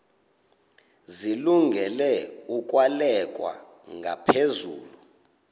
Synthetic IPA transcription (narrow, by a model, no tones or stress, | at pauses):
ziluŋɡʱɛlɛuk̬ʼwalɛk̬ʼwa̰ | ŋɡʱa̰pʰezuːlu